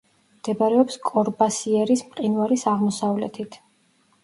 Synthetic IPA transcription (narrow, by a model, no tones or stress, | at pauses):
md̪̥ɛbaɾɛɔpskʼɔɾbasiɛɾismqʼinvaɾisaʁmɔsavlɛ̰t̪ʰit̪ʰ